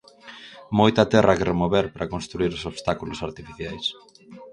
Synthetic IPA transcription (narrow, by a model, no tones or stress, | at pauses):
mojt̪at̪ɛrɐkerʔemoβɛɾpɾakonst̪ɾuiɾosoβst̪akulʊsaɾt̪ifiθjajs